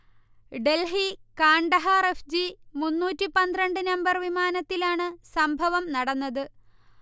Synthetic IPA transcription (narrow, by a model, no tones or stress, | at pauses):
ɖe̞lɦikaːɳɖɐɦɐrefd͡ʑimunːuːtːipɐnd̪rɐɳɖɨnɐmbɐrʋimaːnɐt̪ːilaːɳɨsɐmbʱɐʋɐmnɐɽɐnːɐðɨ